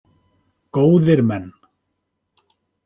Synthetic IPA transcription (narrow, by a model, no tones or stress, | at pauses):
koːwðɪɾmɛnː